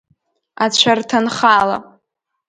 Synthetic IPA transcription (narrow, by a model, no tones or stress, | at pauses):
at͡ɕʷʰartʰanχala